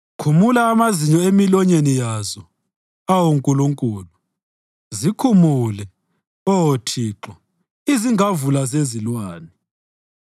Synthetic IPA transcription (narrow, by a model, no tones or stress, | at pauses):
kʰumulaːmaziɲɔemilɔɲenijazɔ | awoŋkʼuluŋkʼuːlu | zikʰumuːlɛ | ɔotʰiːǁɔ | iziŋavulazezilwaːni